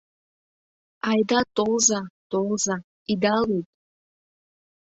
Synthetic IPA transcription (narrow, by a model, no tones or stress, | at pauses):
ajd̪at̪olzat̪olˠza | id̪alet̪̚ʼ